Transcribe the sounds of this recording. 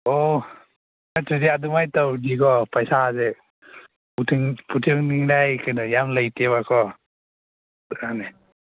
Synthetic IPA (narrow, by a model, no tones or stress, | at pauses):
ɔ | natudiadumajtawdikɔpajsaaze | utʰiŋputʰɯŋniŋɾajkʰɯnɯjamləjteβakʰɔ | ane